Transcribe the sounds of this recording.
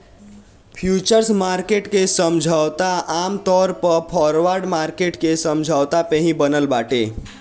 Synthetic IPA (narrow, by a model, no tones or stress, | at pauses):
pʰjuːt͡ʃəɾsmaːɾkeʈkesəmd͡ʒʱawt̪aaːmt̪ɔːɾpəɾpʰɔːɾoʋaːɾɖmaːɾkeːʈkesə̃md͡ʒʱawt̪apeɦĩbənəlbaːʈe